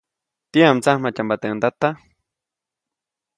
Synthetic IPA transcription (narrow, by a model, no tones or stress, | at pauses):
t̪iamt͡sahmat͡ʃambat̪end̪at̪a